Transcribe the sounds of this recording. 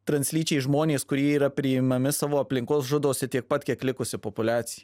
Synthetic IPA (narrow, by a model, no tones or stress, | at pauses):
t̪ɾɐnʲsʲlʲiːt͡ʃʲɛɪʒmoːnʲeːskʊɾʲiɛiːɾɐpʲɾʲɪɪmɐmʲɪsɑːʋoːɐpʲlʲɪŋkoːsʒʊd̪oːsʲɛt̪ʲiɛk̚pɐt̪ʲkʲiɛklʲɪkʊsʲɪpopʊlʲæːt̪sʲɪjɛ